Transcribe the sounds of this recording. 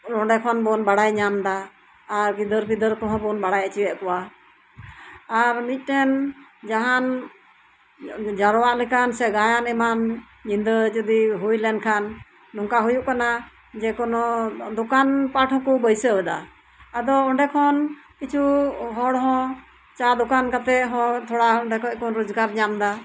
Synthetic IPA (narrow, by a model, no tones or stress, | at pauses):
ɔɳɖɛkʰɔnbɔnbaɽajɲamd̪aː | ɾpid̪əɾpid̪əɾkɔɦɔ̃bɔnbaɽajat͡ʃiwɛʔkɔwa | ɾmit̪̚ˀʈɛnd͡ʒaɦan | d͡ʒaɾɔwaʔlɛkansɛɡajanɛman | d͡ʒind̪əd͡ʒəd̪iɦujlɛnkʰanː | ɔŋkaɦujuʔkana | d͡ʒɛkɔnɔd̪ɔkanpaʈɦɔ̃kɔbəjsəɛd̪a̰ː | d̪ɔɔɳɖɛkʰɔnkit͡ʃʰuɦɔɽɦɔ̃ | t͡ʃad̪ɔkankat̪ɛʔɦɔ̃t̪ʰɔɽaʔɔɳɖɛkʰɔkɔnɾɔd͡ʒɡaɾɲamd̪a